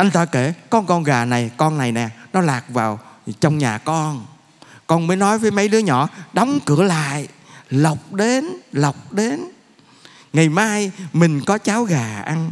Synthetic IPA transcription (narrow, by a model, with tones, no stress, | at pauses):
ʔa˧jŋ̟t̪aː˧ke˧˩kɔ˧nkɔ˧nɣaː˨˩na˨˩jkɔ˧nːa˨˩jnɛ˨˩nɔ˨˦laː˨˩k̚vaː˨˩wt͡ɕɔ˧wŋ͡mɲaː˨˩kɔ˧n | kɔ˧nməː˨˦jnɔ˨˦jvəː˨˦jmə˨˦jɗɨ˨˦əɲɔ̰˧˥ɗɔ˨˦wŋ͡mkɨ˧˩əla̰ː˧˨jlə˨˩wk͡p̚ɗe˨˦nlə˨˩wk͡p̚ɗe˨˦n | ŋa˨˩jmaː˧jmï˨˩ŋ̟kɔ˨˦t͡ɕaː˨˦wɣaː˨˩ʔa˧n